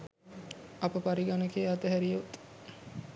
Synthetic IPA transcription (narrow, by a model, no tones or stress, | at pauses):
ɐpəpaɾiɡanəkejɐt̪əɦæɾijet̪